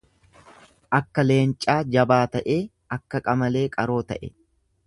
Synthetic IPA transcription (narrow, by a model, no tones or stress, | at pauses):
ʔɐkːɐle̞ːnt͡ʃʼaːd͡ʒɐbaːt̪ɐʔe̞ː | ɐkːɐkʼɐmɐle̞ːkʼɐɾo̞ːt̪ɐʔɛ